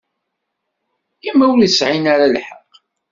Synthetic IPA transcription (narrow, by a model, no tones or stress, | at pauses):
imːæwlisʕinaɾalħə̰q